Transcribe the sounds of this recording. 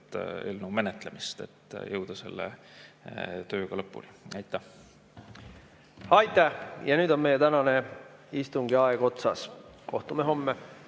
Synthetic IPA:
t̪elnume̞net̪ˑlemist̪ḛt̪ːˑjɤwd̪̥ɑse̞̰lːḛ | t̪øːɡ̥ɑlɤpːṵliɑjt̪ˑːæh | hɑjt̪ːæhjɑnyːd̪o̞nme̞jet̪ænɑneist̪uŋɡiɑeɡ̥o̞t̪sɑsko̞ht̪umeɦo̞mːe

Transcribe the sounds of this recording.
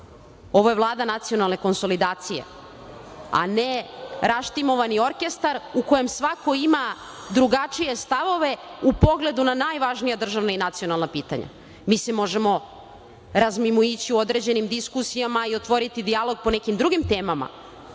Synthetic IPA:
o̞ʋoje̞ʋlˠaːd̪anat̪sijo̞nalˠne̞ko̞nso̞lid̪aːt̪sije̞̰ | a̰neɾaʃt̪imo̞ʋanio̞ɾke̞st̪aɾuko̞je̞msʋako̞ima | d̪ɾuɡat͡ʂije̞st̪aʋo̞ʋe̞upo̞ɡle̞d̪unanaːjʋaʒnijad̪r̩ʒaʋnainat̪sio̞nalˠnapiːt̪a̰ɲa̰ | misemo̞ʒemo̞ | ɾazmimuit͡ɕiuo̞d̪ɾe̞d͡ʑe̞nimd̪iskusijamaio̞t̪ʋo̞ɾit̪id̪ialˠo̞ɡ̚po̞ne̞kimd̪ɾuɡimt̪e̞ːmama̰

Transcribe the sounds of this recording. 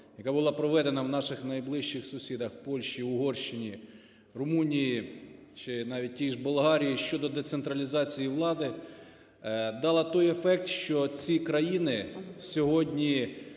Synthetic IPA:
jɐkɑbʊlˠɑpɾɔʋɛd̪enɐwnɑʃɪxnɐjblˠɪʃt͡ʃɪxsʊsʲid̪ɐxpɔlʲʃt͡ʃiʊɦɔrʃt͡ʃɪnʲi | rʊmunʲiji | t͡ʃɪnɑʋʲit̚ʲtʲijʒbʊlˠɦɑɾʲijiʃt͡ʃɔd̪ɔd̪et̪sent̪ɾɐlʲizɑt͡sʲijiʋlˠɑd̪ɪ | d̪ɑlˠɐt̪ɔjefɛk̚t̪ʃt͡ʃɔt͡sʲikɾɐjinɪsʲɔɦɔdʲnʲi

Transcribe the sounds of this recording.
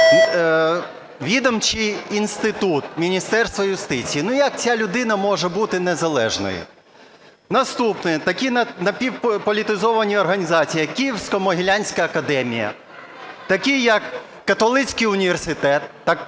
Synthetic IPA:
ʋʲid̪ɔmt͡ʃiːnst̪ɪt̪ut̪mʲinʲist̪ɛrst̪ʋɐjʊst̪ɪt͡sʲijːnujɐk̚t͡sʲalʲʊd̪ɪn̪ɐmɔʒɛbut̪ɪnezɐlˠɛ̰ʒnɔ̰jʊ̰ | nɐst̪upnɪt̪ɐkʲinɐnɐpʲiwppɔlʲit̪ɪzɔʋɐnʲiɔrɦɐnʲizɑt͡sʲijɐkʲːijiwsʲkɔmɔɦʲɪlʲanʲsʲkɐːkɐd̪ɛmʲijɐ̰ | t̪ɐkʲijɐkː | ɐt̪ɔlˠɪt͡sʲkɪjʊnʲiʋersɪt̪ɛt̪ːɑk

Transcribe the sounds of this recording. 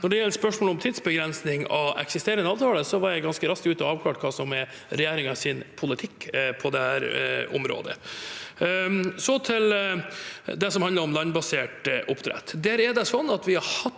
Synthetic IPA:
nɔɖɛjɛlːəspœʂmoːlɔmt̪ʰiːd̪sbəɡɾɛnsnɪŋɑ̰ʋɛ̰ksɪst̪eːɾənəɑːʋt̪ʰɑːləsɔʋɑɾjæɪɡɑnskəɾɑst̪ʉːt̪ɔɑːʋkʰlɑːʈkʰɑːsɔmɛ | ɾɛjeːɾɪŋɑsɪnpʰʊlɪt̪ʰɪkːpʰɔd̪ɛhæːɾɔ̰mɾo̰ːd̪ə̰ | sɔt̪ʰɪl | d̪ɛsɔmhɑnd̪əɾɔmlɑnbɑseːʈʔʊpːt̪ʰɾɛ̰t̪ːd̪æːɾɛɖɛsɔnːɑt̪ʋɪhɑhɑt̪

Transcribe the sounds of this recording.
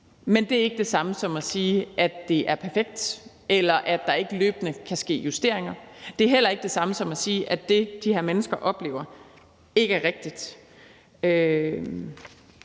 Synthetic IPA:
mend̥e̝æɐe̝ɡ̥əd̥e̝sɑ̈məsɒ̽mæsiːʔæd̥e̝ʔæɐpʰæɐfeɡ̥̚d̥ | elɐʔæd̥ɑ̈e̝ɡ̥əlø̰ːb̥ənəkʰæsɡ̥e̝̰ːjusd̥e̝ɐ̰e̝ŋɐd̥e̝æɐɦel̰ɐe̝ɡ̥̚d̥e̝sɑ̈məsɒ̽mæsiːʔæ̥e̝d̥iheɐ̰menəsɡ̥ɐʔɒ̽b̥le̝̰ʊɐ | e̝ɡ̥əæɐʁeɡ̥̚d̥id̥ | ø

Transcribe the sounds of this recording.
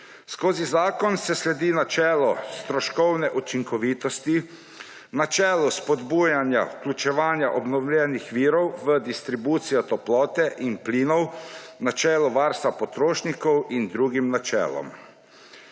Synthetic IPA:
skoːzizaːkɔnsɛslɛd̪iːnat͡ʃɛːlɔst̪ɾɔʃkɔwnɛʔut͡ʃiŋkɔʋiːt̪ɔst̪i | nat͡ʃɛːluspɔd̪buːjanja̰wklʲut͡ʃɛʋaːnjaʔɔbnɔwlʲjɛnixʋiːɾɔwʋəd̪ist̪ɾibuːt̪sijɔt̪ɔplɔːt̪ɛʔinpliːnɔwnat͡ʃɛːlɔʋaːɾst̪ʋapɔt̪ɾoːʃnikɔwind̪ɾuːɡimnat͡ʃɛ̰ːlɔ̰m

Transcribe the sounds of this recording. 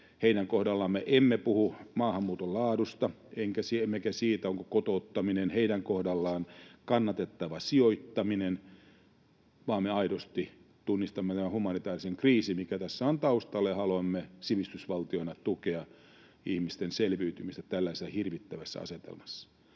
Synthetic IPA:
heiɾæŋkohdɑlːɑːmmːeʔemːepuhumɑːhɑmːuːt̪olɑːdust̪ɑ | eŋkæsiemːekæsiːt̪æoŋkokot̪ot̪ːɑminenheiɾæŋkohdɑlːɑːnkɑnːɑt̪et̪ːɑʋɑsioit̪ːɑminen | ʋɑːmmeɑidost̪i | t̪unːist̪ɑmːet̪æmæhumɑnit̪ɑːriseŋkriːsimikæt̪æsːæont̪ɑust̪ɑlːejɑhɑloɑmːesiʋist̪ysʋɑlt̪ionɑt̪ukeɑ | ihmist̪enselʋyːt̪ymist̪æt̪ælːæisesːæhirʋit̪ːæʋæsːæ̰ɑ̰set̪ḛlmɑsːɑ̥

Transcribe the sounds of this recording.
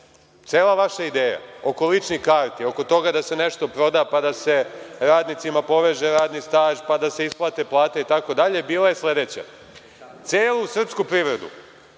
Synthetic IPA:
t̪seːlaʋaʃaid̪eːja̰o̞ko̞lit͡ʃnikaːɾt̪io̞ko̞t̪o̞ɡad̪ase̞ne̞ʃt̪o̞pɾo̞d̪apad̪ase̞ɾaːd̪nit̪simapo̞ʋeʒeɾaːd̪nist̪aːʒpad̪aseisplˠaːt̪e̞plˠaːt̪eit̪ako̞d̪aʎe̞biːlajesle̞d̪e̞t͡ɕa̰ | t̪seːlusr̩pskupɾiʋɾe̞d̪ṵ

